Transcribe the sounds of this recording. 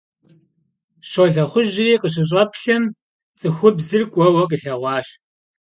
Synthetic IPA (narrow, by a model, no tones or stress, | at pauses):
ɕoɮɐχʷʊʒɪriːqəɕ̬ɪɕ̬ʼɐpɬɐm | t͡sʼɨxʷʊbzɨrkʷʼɔwɐkʼəɬɐʁʷɑːɕ